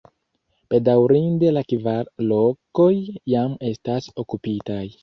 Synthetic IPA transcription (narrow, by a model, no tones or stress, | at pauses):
pe̞dawɾinde̞lakivaɾlo̞ko̞jːame̞staso̞kupitaj